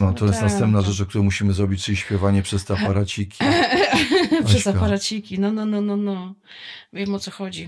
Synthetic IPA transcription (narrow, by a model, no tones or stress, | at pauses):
nɔt̪ɔjɛsnast̪ɛmpnaʐɛt͡ʂɔk̚t̪uɾɔ̃muɕimɘzɾɔbʲit͡ɕt͡ʂɘlʲiɕpʲjɛvaɲɛpʂɛst̪ɛapaɾat͡ɕikʲi | pʂɛzapaɾat͡ɕikʲinɔnɔnɔnɔnɔ | vʲjɛmɔt̪sɔxɔd͡ʑi